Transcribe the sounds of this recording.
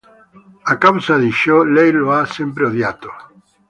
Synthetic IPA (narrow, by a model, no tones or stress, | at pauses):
akawsaðiʃolejloasempɾeoðjat̪o̥